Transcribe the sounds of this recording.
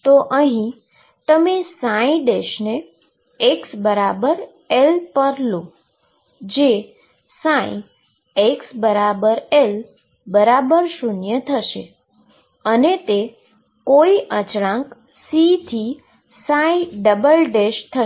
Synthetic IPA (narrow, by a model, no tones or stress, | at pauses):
t̪oʔəɦĩ | t̪əmesãĩɖeʃne | eksbəɾabəɾ | elpəɾlũ | d͡ʒe | sãḭ̃ | eksbəɾabəɾel | bəɾabəɾʃunjət̪ʰəʃe | ənet̪e | koiʔət͡ʃɽãŋk | sit̪ʰi | sãĩɖəbəlɖeʃt̪ʰə